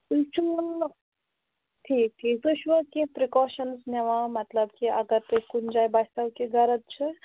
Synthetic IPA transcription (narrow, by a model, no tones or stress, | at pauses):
ut͡ʃʰun | ʈʰiːk̚ʈʰikt̪oʃʋəkepɾikɔːʃənsnɐʋãmɐt̪ləbkiɐɡəɾt̪ekund͡ʒajbast̪ɐwkeɡɐɾət̪̚t͡ʃʰɐ